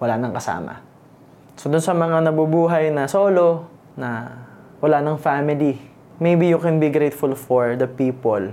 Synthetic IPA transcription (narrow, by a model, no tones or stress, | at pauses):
wɐlanɐŋkɐsa̰ːmɐ̰ | sod̪ʊnsɐmɐŋanɐbubuːɦɐjnɐsɐʔoːlo̞ | nɐ | wɐlanɐŋfamɪli | mejbijʊkɛnbiɡɾejt̪fʊlfoɹd̪ɐpiːpol